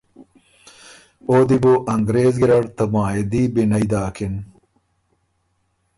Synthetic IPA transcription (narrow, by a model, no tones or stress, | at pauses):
oːd̪iboʔɐŋɡɾeːzɡiɾɐɽt̪ɐmaːed̪iːbinɐjd̪aːkʰin